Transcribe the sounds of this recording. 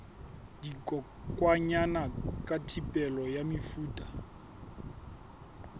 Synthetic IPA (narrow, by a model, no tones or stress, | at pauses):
dikʼɔ | kʼwaɲanakʼatʰipʼɛlɔjamifuːtʼa